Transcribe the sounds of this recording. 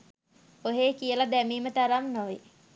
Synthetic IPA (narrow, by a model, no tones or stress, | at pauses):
oɦeːkiəlad̪æmiːmət̪aɾamnoʋe